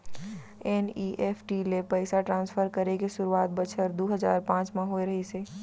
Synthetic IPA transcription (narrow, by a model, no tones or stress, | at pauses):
eːniʔepʰʈilepəɪsaʈɾãːnsfʰəɾkəɾekeʃʊɾuaːt̪̚bət͡ʃʰəɾd̪oːɦəza̰ːɾpãːt͡ʃmãɦoːeɾəɦiseː